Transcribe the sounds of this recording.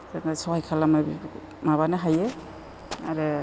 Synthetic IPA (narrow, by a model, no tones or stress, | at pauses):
zaŋasɔwhajkʰalamabi | maβanɯɦaje | aɾe